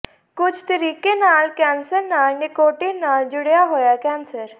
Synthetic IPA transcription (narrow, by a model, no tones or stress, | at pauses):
kʊd͡ʒʰt̪əɾiːkenaːlkɛ̃ːnsəɾnaːlnekoːʈenaːld͡ʒʊɽjaɦoːjakɛ̃ːnsəɾ